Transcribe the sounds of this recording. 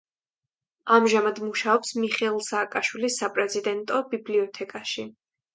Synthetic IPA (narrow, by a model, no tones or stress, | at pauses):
amʒamad̪muʃaɔpsmiχɛlˠsaːkʼaʃwilisːapʼɾɛzid̪ɛnt̪ʼɔbibliɔt̪ʰɛkʼaʃi